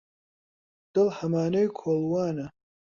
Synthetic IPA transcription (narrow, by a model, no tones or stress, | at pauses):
d̪̥ɨlhɐmaːnejkʰoːlˠwaːnɐ